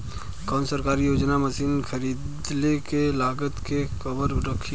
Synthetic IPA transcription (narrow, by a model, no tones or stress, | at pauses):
kaːnsəɾkaːɾijoːd͡ʒnaməsiːnkʰəɾiːd̪lekelaːɡət̪kexɐbəɾɾəkʰːi